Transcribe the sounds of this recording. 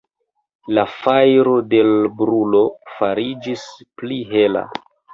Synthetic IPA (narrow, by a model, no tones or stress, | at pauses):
lafajɾo̞de̞lbɾulo̞faɾid͡ʒispliɦe̞la̰